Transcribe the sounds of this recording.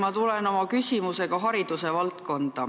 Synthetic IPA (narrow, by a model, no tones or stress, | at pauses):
mɑt̪ule̞no̞mɑkysʲimuse̞ɡ̥ɑɦɑɾid̪̥use̞vɑlt̪ko̞nd̪̥ɑ